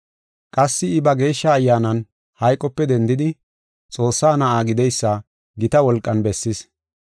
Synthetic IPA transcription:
kʼɐsːɪɪbɐɡe̞ːʃːɐːjːaːnɐn | hɐjkʼːɔpːɛd̪ɛnd̪ɪd̪ɪ | t͡sʼo̞ːsːaːnɐʔaːɡɪd̪ɛjsːɐ | ɡɪt̪ɐwɔlkʼːɐnbɛsːɪs

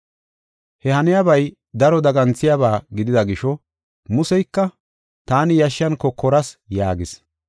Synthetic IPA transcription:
hɛhɐnɪjabɐj | d̪ɐɾɔd̪ɐɡɐnt͡sːɪjaβaːɡɪd̪ɪd̪ɐɡɪʃɔ | mʊsɛjkːɐ | t̪aːnɪjɐʃːɐnkɔkːɔɾɐsjaːɡɪs

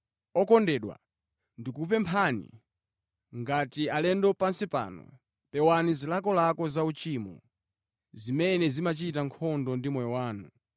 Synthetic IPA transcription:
ɔkɔndɛɗwa̰ | ndikupɛmpʰanḭ | ŋɡatialɛndɔpansipa̰ːnɔ̰ | pɛwanizilakɔlakɔzaut͡ʃimṵ | zimɛnɛzimat͡ʃitaŋkʰɔndɔndimwɛɔwaːnu

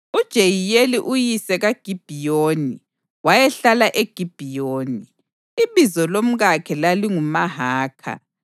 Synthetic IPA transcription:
ud̥ʒ̥ʱejijeliʔujisɛɣaɡ̥ʱib̥ʱijoːni | wajɛɬalaʔeɡ̥ʱib̥ʱijoːniː | βizɔlom̩ɣakʰɛlaliŋumaɦaːkʰa̰

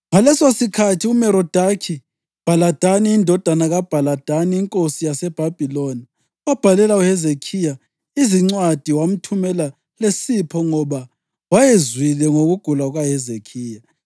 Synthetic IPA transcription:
ŋalɛsasikʰatʰiumɛɾɔd̥ʱakʰi | b̥ʱalad̥ʱaniːndʱɔd̥ʱanaɣab̥ʱalad̥ʱaniːŋkʼosijasɛb̥ʱab̥ʱiloni | wab̥ʱalɛlauhɛzekʰija | iziŋ͡ǀwad̥ʱiwam̩tʰumɛla | lesipʰɔŋɔβa | wajezwilɛŋoɣuɡ̥ʱulauɣwahɛzekʰiːja

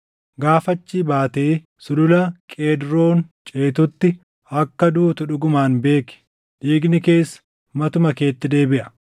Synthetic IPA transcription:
ɡaːfɐt͡ʃːiːbaːt̪eː | sʊlʊlɐkʼeːd̪ɾo̞ːnt͡ʃʼeːt̪ʊt̪ːɪ | ɐkːɐd̪uːt̪ʊᶑʊɡʊmaːnbe̞ːkɪ̥ | ᶑiːɡnɪke̞ːsːɐ̥ | mɐt̪ʊmɐke̞ːt̪ːɪd̪e̞ːbɪʔɐ̥

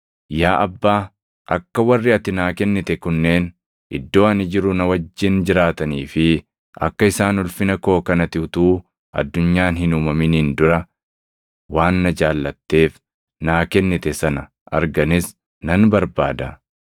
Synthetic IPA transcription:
jaːʔɐbːaː | ʔɐkːɐwɐrːɪɐt̪ɪnaːkɛnːɪt̪ɛkʊnːe̞ːn | ʔɪ̰d̪ːo̞ːɐnɪd͡ʒɪɾʊnɐwɐd͡ʒːɪnd͡ʒɪɾaːt̪ɐniːfɪ | ʔɐ̰kːɐɪsaːnʊlfɪnɐko̞ːkɐnɐt̪ɪʊt̪uː | ʔɐ̰d̪ːʊɲːaːnhɪnʊmɐmɪniːnd̪ʊɾɐ | waːnːɐd͡ʒaːlːɐt̪ːe̞ːf | naːkɛnːɪt̪ɛsɐnɐ | ʔɐ̰ɾɡɐnɪs | nɐnbɐɾbaːd̪ɐ

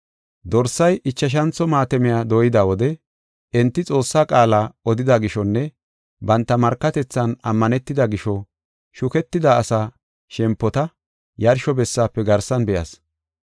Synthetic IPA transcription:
d̪ɔɾsːɐjʔɪt͡ʃːɐʃ̬ɐnt͡sːɔmaːt̪ɛmɪjaːd̪oːjɪd̪aːwɔd̪ɛ | ɛnt̪ːɪt͡sʼo̞ːsːaːkʼaːlaːɔd̪ɪd̪aɡɪʃɔnːɛ | bɐnt̪ːɐmɐɾkːɐt̪ɛt͡sːɐnɐmːɐnɛt̪ːɪd̪ɐɡɪʃɔ | ʃʊkɛt̪ːɪd̪aːsaː | ʃɛmpːɔt̪ɐ | jɐɾʃɔbɛsːaːpːɛɡɐɾsɐnbɛjɐ̰s

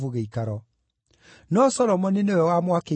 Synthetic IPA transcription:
vuɣeikaɾɔ | nɔsɔɾɔmɔneneojɔwamwake

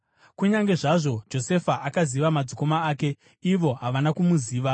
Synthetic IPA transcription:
kuɲaŋɡe̞ʐaʐo̞d͡ʒo̞se̞faʔakaziʋamad͡ziko̞maːke̞ | iʋo̞ɦaʋanakumuziːʋa

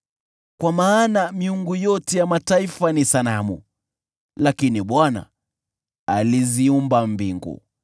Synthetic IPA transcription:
kwamaːnamiuŋɡujɔtɛjamataifanisanamṵ | lakiniɓwana̰ | aliziumbambiŋɡṵ

